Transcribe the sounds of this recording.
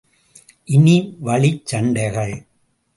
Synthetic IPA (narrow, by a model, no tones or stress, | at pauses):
ʔɪniʋɐɭɪt͡ʃːɐɳɖɐɪɣɐɭ